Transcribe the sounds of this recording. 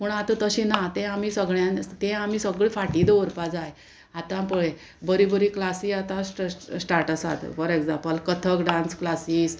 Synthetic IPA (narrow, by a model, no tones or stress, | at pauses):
pəɳat̪ə̃t̪əɕĩnat̪ɛ̃amiːsəɡɭjãnt̪ɛ̃am̤iːsəɡɭifaʈid̪əəɾpad͡zaj | at̪ãpəɭe | bəɾibəɾiklasiːat̪ãsʈsʈaɾʈəsa̰t̪fɔɾeɡd͡zãmpəlkət̪ʰəkɖãnsklasiːs